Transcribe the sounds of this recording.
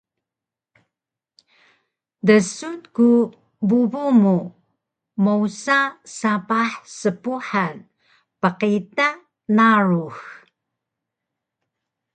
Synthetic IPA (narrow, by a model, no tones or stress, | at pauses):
dəsutku | bubumu | mowsasapaħsəpuħan | pəqita | naɹux